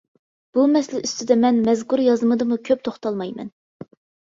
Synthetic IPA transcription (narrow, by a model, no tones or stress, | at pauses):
b̥umɛslɪʔyst̪ɪd̪ɛmɛnmɛzkʰuɾjɑzɨmɨd̪ɨmukʲʰøp̚t̪ʰoχt̪ʰɑlˠmɑjmɛ̰n